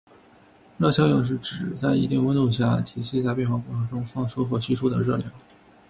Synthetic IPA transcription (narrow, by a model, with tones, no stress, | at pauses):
ɻɤ˥˧ɕjɑ˥ŋjʊ˥˩ŋʂ̬ɻ̩˥˩ʈ͡ʂɻ̩˨˩t͡sa˥˩ɪi˧˥t̪i˥˩ŋwə˥nt̪u˥˩ŋɕja˥˩t̪ʰi˧˥ɕi˥˧t͡sa˥˧ɪp̬jɛ˥˧nxwɑ˥˧ŋpwɔ˥˩ʂɤ˥ŋʈ͡ʂʊ˥ŋfɑ˥˩ŋʂu˥xwɔ˥˩t͡ɕʰi˥ʂu˥d̪ə˨ɻɤ˥˩ljɑ˥˩˦